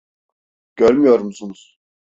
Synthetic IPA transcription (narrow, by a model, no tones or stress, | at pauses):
ɟ̥øɾmyjoɾmsunuz̥